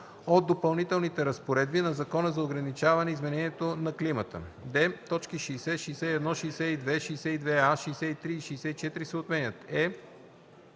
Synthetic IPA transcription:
od̪̚d̪ːopɐlˠnit̪ɛlˠnit̪ɛɾɐspoɾɛd̪binɐzɐkɔnəzɐoɡɾɐnit͡ʃavɐnɛizmɛnɛniɛt̪onɐklimət̪ə̰d̪ɛt̪ɔt͡ʃkiʃɛːsɛʃɛsɛiɛd̪nɔʃɛjsɛid̪vɛʃiːsɛid̪vɛaʃɛjsɛit̪ɾiːʃɛːsɛit͡ʃɛt̪iɾisɛot̪mɛnʲət̪ɛ

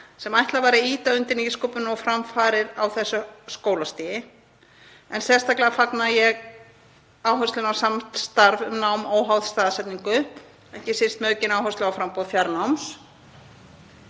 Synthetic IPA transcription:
sɛmajht̪lavaɾɪiːt̪aʏnt̪ɪɾniskoːpʏnɔfɾamfaːɾɪɾawθɛsːʏskoːwlast̪iːjɪ | ɛnsɛst̪aklɪafaknajɛɣ | aːwɦœst̪lʏnawsamt̪st̪aɾvʏmnawmowɦawðst̪aːðasɛt̪niŋkʏ | ɛhcɪsɪnst̪mœːcɪnaːwhœst̪lʏawfɾampɔːðfjaɾnawms

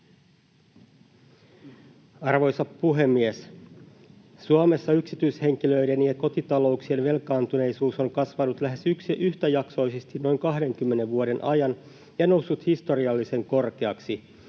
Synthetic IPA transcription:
ɑrʋo̞jsɑppuɦe̞mːies | suome̞sːɑyksit̪yishe̞ŋkiløidenieko̞t̪it̪ɑlo̞uksienʋe̞lkɑːnt̪une̞isuːso̞ŋkɑsʋɑnut̪læɦe̞syksʔyht̪æjɑkso̞isest̪inno̞jŋkɑɦde̞ŋkymːene̞ʋʋuoɾe̞nʔɑjɑn | jɑnowsːut̪hist̪o̞ɾiɑlːise̞ŋko̞rk̟eɑksi

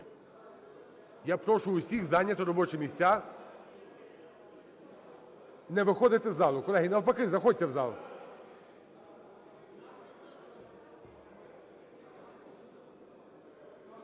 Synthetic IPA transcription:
japɾɔʃʊʊsʲixzɑnʲːɐt̪ɔɾɔbɔt͡ʃɛmʲisʲt͡sʲːa | nɛʋɪxɔd̪ɪt̪ɛzɑlˠʊkɔlɛɦʲinɐlˠpɐkɪzɐxɔd̚ʲt̪ɛwzɑlˠʊ

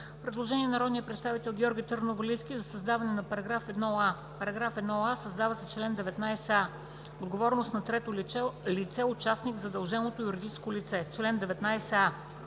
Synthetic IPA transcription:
pɾɛd̪lˠoʒɛniɛnɐɾɔd̪nijəpɾɛt̪st̪avit̪ɛlˠɡʲɔɾɡʲit̪əɾnovɐliskʲizɐsɐzd̪avɐnɛnɐpɐɾɐɡɾafɛd̪nɔa | pɐɾɐɡɾafɛd̪nɔasɐzd̪avɐsɛt͡ʃlɛnd̪ɛvɛt̪najsɛa | od̪ɡovɔɾnost̪nɐt̪ɾɛt̪olɛlit̪sɛʊt͡ʃasniɡvzɐd̪ɐlˠʒɛnot̪ojuɾid̪it͡ʃskolit̪sɛt͡ʃlɛnd̪ɛvɛt̪najsɛa

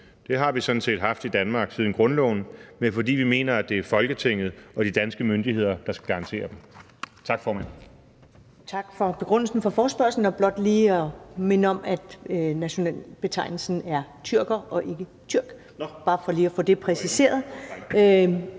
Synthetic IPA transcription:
d̥e̝ɦɑ̈ʋisɔ̽n̩se̝̰ːd̥ɦɑ̈fd̥id̥ænmɑ̈ːɡ̥sið̞ˠn̩ɡ̥ʁɔ̽nlɔ̰ːnmefɒ̽dḭːʋime̝̰ːnɐæd̥e̝æɐfɒ̽lɡ̥ət͡sʰeŋ̰ð̞̩ˠʔɒ̽ɾ̥id̥ænsɡ̥əmønd̥ihe̝ð̞̰ˠɐd̥ɑ̈sɡ̥æɡ̥ɑ̈ʁɑ̈nt͡sʰe̝̰ːɐd̥em | t͡sʰɑ̈ɡ̥fɒːmæn̰ | t͡sʰɑ̈ɡ̥fɒ̽b̥e̝ɡ̥ʁɔn̰l̩sn̩fɒfɒːsb̥ɶɐsln̩ɒb̥lɒ̽d̥liːɒme̝nəɒ̽mæd̥næɕo̝nɛ̰ːlb̥e̝t͡sʰɑ̈ɪ̰nl̩sn̩æɐt͡sʰyɐɡ̥ɐʔɒ̽ʔe̝ɡ̥ət͡sʰyɐ̰ɡ̥ | b̥ɑ̈ːfɒ̽liːɒfoːd̥e̝pʰʁɛsise̝̰ːɐðˠ

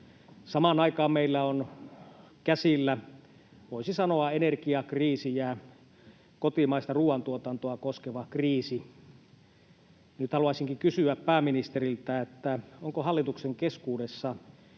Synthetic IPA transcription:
sɑmɑnɑikɑːmmeilːæon | kæsilːæ | ʋoisisɑnoɑenerkiɑkriːsijæ | kot̪imɑist̪ɑruːɑnt̪uot̪ɑnt̪oɑkoskeʋɑkriːsi | nyt̪hɑluɑsiŋkikysyæppæːminist̪erilt̪æet̪ːæoŋkohɑlːit̪ukseŋkeskuːdesːɑ

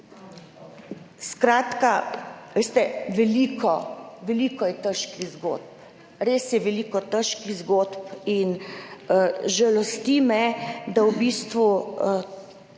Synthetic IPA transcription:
skɾaːt̪kaʋest̪ɛʋɛliːkɔʋɛliːkɔjɛt̪əʃkiɣzɡo̰t̪̚p | ɾesjɛʋɛliːkɔt̪əʃkizɡoːt̪pin | ʒɛlɔst̪iːmɛd̪awbist̪ʋu

